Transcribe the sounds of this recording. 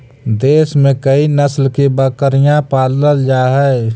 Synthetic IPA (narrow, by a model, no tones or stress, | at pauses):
d̪eːsmẽkəinəslkibəkəɾɪjãpaːləld͡ʒaːɦɛː